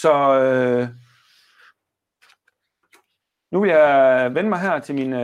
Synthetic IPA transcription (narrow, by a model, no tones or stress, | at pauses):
sɒ̽ø | nuʋe̝ljɑʋenəmɑ̈ɪɦæɐ̰t͡sʰe̝lmin